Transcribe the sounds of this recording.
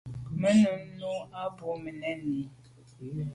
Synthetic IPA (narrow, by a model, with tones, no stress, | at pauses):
mə˦nu˨n̩˦no˦a˦bo˨˦mə˨nɛ˦nːi˨˦